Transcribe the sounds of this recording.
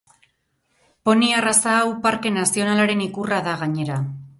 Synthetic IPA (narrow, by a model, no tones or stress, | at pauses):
po̞niarasaːwpaɾke̞nasio̞nalaɾe̞nikuraðaɣaɲe̞ɾa